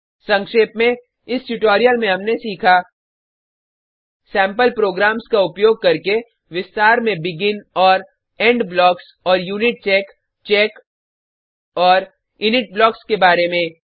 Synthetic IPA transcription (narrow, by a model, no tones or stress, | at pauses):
sɐ̃ŋkʃeːpmẽ | ɪsʈʊʈoːɾijəlmẽɦɐmnesiːkʰa | sɛ̃ːmpəlpɾoːɡɾaːmskaʊpjoːɡ̚kɐɾke | ʋɪst̪aːɾmẽbɪɡɪnɔːɾ | ɛ̃ːɳɖblɔːks | ɔːɾjuːnɪʈ̚t͡ʃɛːk | t͡ʃɛːk | ɔːɾ | ʊnɪʈ̚blɔːkskebaːɾemẽ